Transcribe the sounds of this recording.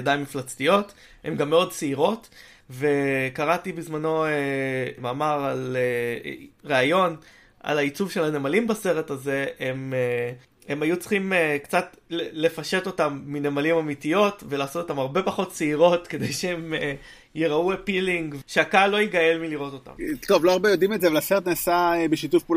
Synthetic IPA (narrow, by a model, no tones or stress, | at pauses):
dajnmiflat͡stijo̞t | hemɡamːeo̞d̚t͡seiʁo̞t | ve̞kaʁatibizmano̞emaːmaʁale | ʁeajo̞n | a̰lait͡suvʃe̞lanemalimbase̞ʁe̞taze̞eme | emajut͡sχimekt͡sat | lele̞faʃe̞t̪o̞tamːinemalimamitijo̞tve̞laːso̞t̪otamaʁbe̞paχo̞t̚t͡seiʁo̞tke̞d̪ejʃeeme | jeʁauepiliŋɡvʃeakalːoiɡaje̞lmiliʁo̞t̪o̞t̪a̰mt̪ovloaʁbejodimetzeavelaseʁet̪nasaebeʃitufpul